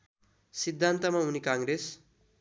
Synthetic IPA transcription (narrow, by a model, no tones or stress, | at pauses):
sid̪ʱːant̪ʌmaɦunikãŋɾes